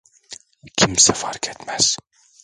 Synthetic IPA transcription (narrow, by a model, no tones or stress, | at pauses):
kʲʰimsæfɑɾkʰet̪mæz̥